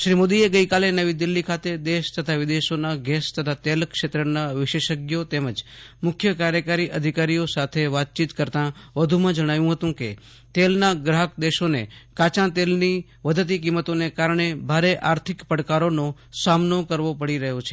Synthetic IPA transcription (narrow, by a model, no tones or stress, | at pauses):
ʃɾimod̪ieɡəikalenəʋid̪ɪlːikʰat̪ed̪eʃt̪ət̪ʰaʋɪd̪eʃonaɡɛst̪ət̪ʰat̪elkʃet̪ɾənaʋɪʃeʃəɡjot̪eməd͡ʒmʊkʰjəkaɾjəkaɾiʔəd̪ʱikaɾijosat̪ʰeʋat̪̚t͡ʃit̪kəɾt̪ãʋəd̪ʱumãd͡ʒəɽ̃aʋjũɦət̪ũke | t̪elnaɡɾaɦəkd̪eʃonḛkat͡ʃãt̪elni | ʋəd̪ʱət̪̬ik̬imːət̪onekaɾəɳ̃ebʱaɾeʔaɾt̪ʰɪkpəɽkaɾono | samnokəɾʋopəɽiɾəɦjot͡ʃʰe̥